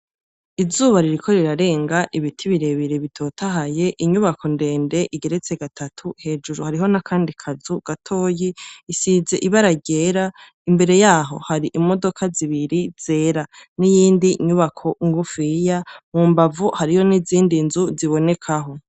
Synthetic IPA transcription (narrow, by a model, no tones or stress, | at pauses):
izuːβaɾiɾikʰo̞ɾiɾaɾe̞ːŋɡaʔiβitʰiβiɾe̞βiɾeβitʰo̞ːtʰaɦaje̞ʔiɲuβakʰo̞nde̞ːnde̞ʔiɡe̞ɾe̞t͡se̞ɡatʰatʰuhe̞ːd͡ʒuɾuhaɾiɦo̞nakʰaːndikʰazuɡ̥atʰo̞ːjiːsize̞ʔiβaɾaɟe̞ːɾa | imbe̞ɾe̞jaːɦo̞haɾiʔimo̞do̞kʰaziβiɾiz̥e̞ːɾanijiːndiɲuβakʰo̞ŋɡufijamuːmbavuhaɾijo̞niziːndinzuziβo̞ne̞kʰaɦo̞